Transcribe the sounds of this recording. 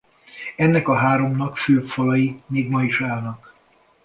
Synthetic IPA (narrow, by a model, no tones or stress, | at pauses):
ɛnːɛkɒɦaːɾo̞mnɒkføːpfɒlɒjimeːɡmɒiʃaːlnɒk